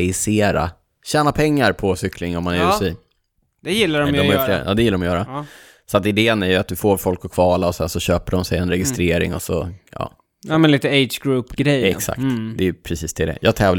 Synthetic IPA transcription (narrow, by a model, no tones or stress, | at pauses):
ɪseːɾa̰ | ɕɛːnapʰɛŋːaɾpʰɔsʏkʰlɪŋɔmːanɛɾʉːɪ | d̪̥ɛjɪlːadɔmɔmmajʏflḛːɾʔɑ̰ːd̪ɛjɪlːaɾɔmɔjœːɾa | sɔat̪ɪd̪eːənæɾjɵat̪̚d̪ɵfoːɾfɔlkɔkʰvɑːlaɔsɛnsɔɕøːpəɖɔmsɛjɛnɾɛɡɪst̪ɾeːɾɪ̰ŋɔ̰sɔ̰jɑ̰ː | mɛnliːt̪əet͡ʃɡɾuːpːɡɾɛjɛksa̰k̚t̪d̪ɛːjɵpʰɾɛsiːsd̪ʰɪld̪ɛ̰jɑːɡt̪ʰɛːvl